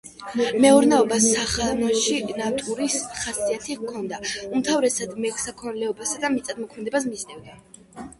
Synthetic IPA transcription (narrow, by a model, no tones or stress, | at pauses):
mɛɔɾnɛɔbasaχamɔʃinat̪ʼuɾisχasiat̪ʰikʰɔnd̪aumt̪ʰavɾɛsad̪mɛkʰsakʰɔnlɛɔbasad̪amit̪sʼad̪mɔkʰmɛd̪ɛbas̬miznɛvd̪ɛ